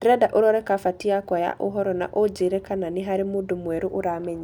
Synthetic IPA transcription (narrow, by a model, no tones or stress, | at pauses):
ɾɛdaʔoɾɔɾɛkafatiakwaja̰ʔoɦɔɾɔna̰ʔod͡ʒeɾɛkananɪɦaɾɪmodomwɛɾoʔoɾamɛɲi